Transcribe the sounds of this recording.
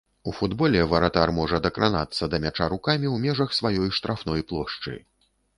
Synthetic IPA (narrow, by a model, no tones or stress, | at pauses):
ufud̪bɔlʲɛvɐɾat̪armɔʐɐd̪ɐkɾana̰t̪sːɐd̪ɐmʲat͡ʂaɾukamʲiwmʲɛʐɐxsvajɔjʂt̪ɾʔafnɔjplˠɔʂt͡ʂɨ̰j